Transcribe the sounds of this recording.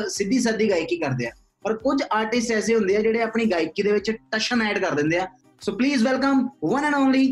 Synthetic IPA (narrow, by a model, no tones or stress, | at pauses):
sɪd̪ːiːs̬aːd̪iːɡaːikiːkəɾd̪eːaː | pəɾkʊd͡ʒaːɾʈɪsʈɛːs̬eːɦʊ̃nd̪eːaːd͡ʒeːɽeːaːpɳiːɡaːɪkiːd̪eːʋɪt͡ʃʈəʃənɛːɖkəɾd̪ɪ̃nd̪eːaː | soːpliːzʋɛlkəmʋənənaːnliː